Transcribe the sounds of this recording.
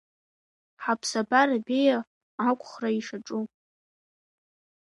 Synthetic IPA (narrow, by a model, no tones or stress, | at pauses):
ħapʰsabarabeja | akʷʰʼχraiʂaʈ͡ʂʼu